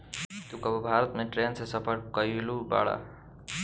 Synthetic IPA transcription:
t̪ukəbəbʱaɾət̪meʈɾensesəpʰəɾkəjluba̰ɽa̰

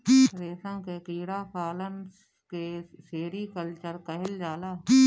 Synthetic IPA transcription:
ɾeːsãːkekiːɽaːkaːləns | ke | seːɾiːkəlt͡ʃəɾkəɦɪld͡ʒaːlaː

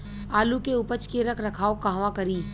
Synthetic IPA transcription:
aːlukeʊpət͡ʃkeɾəkʰɾɐkʰaːokaɦʋakɐɾiː

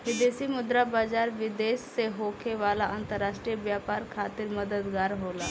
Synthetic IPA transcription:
ʋɪd̪esimʊd̪ɾabaːd͡ʒaɾʋid̪esːeɦokʰeʋalaʔant̪əɾːaʂʈɾijəʋjapaɾkʰaːt̪iːɾməd̪əd̪ɡaːɾɦola

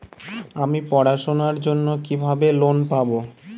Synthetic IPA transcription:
amipɔɽaʃonaɾd͡ʑonːokibʱabelonpabo

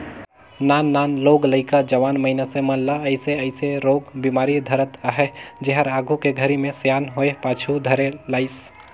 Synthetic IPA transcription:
nanːanloɡləɪkad͡ʒəʋanməɪnasẽmənləəɪseəɪseɾoɡbimaɾid̪ʱəɾət̪əɦɛd͡ʒeɦəɾaɡʱukeɡʱəɾimẽsjanɦoepat͡ʃʰud̪ʱəɾelaɪs

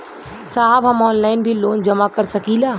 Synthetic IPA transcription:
saːɦəbɦɐmɔːnlaːɪnbʱiloːnd͡ʒɐmakəɾsəkilaː

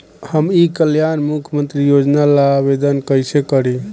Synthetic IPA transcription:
həmikəljanmukʰjəmənt̪ɾijod͡ʒnalabed̪ənkəjsekəɾi

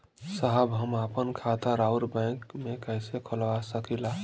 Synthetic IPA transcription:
saɦəbɦəmapənkʰat̪aɾaʊɾbɛ̃ŋkmekəjsekʰəlʋasəkila

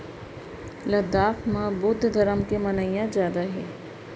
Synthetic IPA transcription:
lɐd̪aːfmãbʊd̪ʱd̪ʱɐɾəmkĩmɐnaijãzjaːd̪aɦɛ̰ː

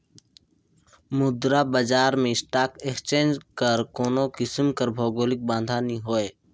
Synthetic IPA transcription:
mʊd̪ɾabəd͡ʒaːɾmẽɪsʈaːkekst͡ʃẽːnd͡ʒkəɾkoːnokɪsmkəɾbʱɔːɡoːlɪk̚bãːnd̪ʱaːniɦoːe

